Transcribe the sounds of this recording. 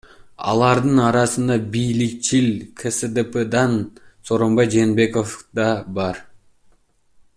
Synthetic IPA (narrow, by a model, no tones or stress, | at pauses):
ɑ̰lˠɑɾd̪ɯnɑɾɑsɯnd̪ɑbijlik̚t͡ʃilkʰesed̪eped̪ɑnso̞ːɾo̞mbɑjd͡ʒeːnbe̞ko̞fd̪ɑbɑɾ